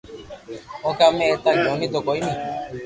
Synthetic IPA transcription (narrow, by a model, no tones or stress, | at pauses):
ɔkamɛtaɡɛɔnitokɔimi